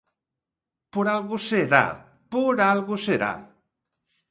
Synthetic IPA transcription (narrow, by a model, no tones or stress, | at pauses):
poɾalɣoseɾa̰ | poɾalɣoseɾa̰